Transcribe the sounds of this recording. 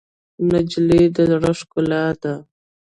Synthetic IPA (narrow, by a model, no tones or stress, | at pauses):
nad͡ʒled̪əɽaʂkʊlad̪a